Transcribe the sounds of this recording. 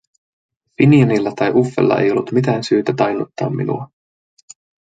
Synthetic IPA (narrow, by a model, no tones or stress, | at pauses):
finiɑnilːæt̪ɑjʔufːḛlːɑ̰ʔe̞̰jo̞lːut̪mit̪æːnsyːt̪æt̪ɑjnut̪ːɑ̰ːmːinṵɑ